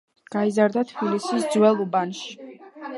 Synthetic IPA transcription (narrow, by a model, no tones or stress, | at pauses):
ɡ̥aizaɾd̪at̪ʰb̥ilisisd̪zwɛlˠɔbanʃi̥